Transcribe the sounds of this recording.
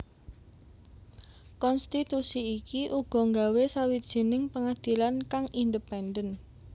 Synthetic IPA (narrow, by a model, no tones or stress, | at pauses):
kɔnst̪it̪usiːkiʔuɡ̥ɔ̤ŋɡawesawidd̥ʒ̥i̤nɪŋpəŋad̪̥i̤lankaŋindəpɛndən